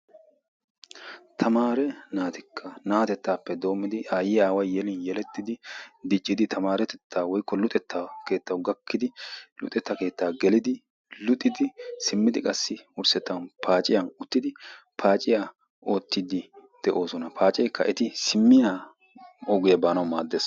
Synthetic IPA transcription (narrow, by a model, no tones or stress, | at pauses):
t̪ʰɐmaːɾɛnaːt̪ɪkʰːɐnaːt̪ɛt̪ːaːpːɛd̪o̞ːmːɪd̪ɪʔaːjɪaːwɐjːɛlɪnjɛlɛt̪ːɪd̪ɪd̪ɪt͡ʃʼːɪd̪ɪt̪ʰɐmaːɾɛt̪ɛt̪ʰːaːwɔjkːɔlʊt̪ʼɛt̪ːɐke̞ːt̪ːɐwɡɐkːɪd̪ɪlʊ̰t̪ʼːɛt̪ːɐke̞ːt̪ːaːɡɛlɪd̪ɪ | lʊt̪ʼːɪd̪ɪsɪmːɪd̪ɪkʼɐsːɪʊɾsɛt̪ːɐnpʰaːt͡ʃʼɪjɐnʊt̪ːɪd̪ɪ | pʰaːt͡ʃʼɪja | o̞ːt̪ːɪd̪ɪd̪̥ɛʔo̞ːsɔnɐpʰaːt͡ʃʼɛjkːɐʔɛt̪ɪsɪmːɪjaː | ɔɡɪjɐbaːnɐwmaːd̪ːeːs